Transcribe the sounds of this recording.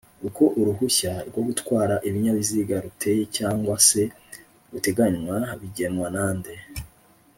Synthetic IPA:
uko̞ʔuɾuɦuçaɾɡwo̞ɡutwaːɾaʔiβiɲaβiziɡaɾutʰe̞jecaːŋɡwase̞ | ɾute̞ɡaɲwaβiɟe̞nwanaːnde̞

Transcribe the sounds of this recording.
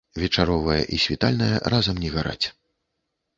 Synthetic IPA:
vʲɛt͡ʂaɾɔvɐjɐ̰ʔisʲvʲit̪alʲnɐjɐ̰ɾazɐmnʲɛɣaɾa̰t͡sʲ

